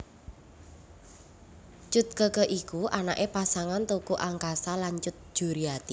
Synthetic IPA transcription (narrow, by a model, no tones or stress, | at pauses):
t͡ʃʊt̪̚kəkəʔikuʔanaʔepasaŋant̪ukuʔaŋkasalant͡ʃʊt̪̚ʒ̥ṳɾiat̪i